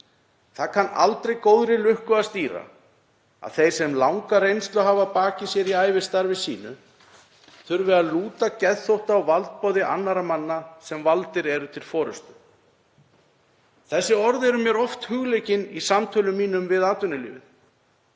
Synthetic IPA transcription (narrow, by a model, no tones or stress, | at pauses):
θakʰanːa̰lt̪ɾejkoːwðɾɪlʏhkʏast̪iːɾa̰ | a̰ðθejɾ̥sɛmlawŋkaɾejnst̪lʏɦaːvapaːcɪsjɛɾiajvɪst̪aɾvɪsḭːnʏ | θʏɾvɪaðluːt̪acɛðθowht̪awvalt̪̚pɔːðɪʔa̰nːaɾamanːasɛmvalt̪ɪɾɛɾʏt̪ʰɪlfɔːɾʏ̰st̪ʏ | θɛsːɪɔɾðɛɾʏmjɛɾɔft̪hʏɣlejcɪnisamt̪ʰœlʏmːiːnʏmvɪðaːt̪ʏnʏlḭːvɪ̰n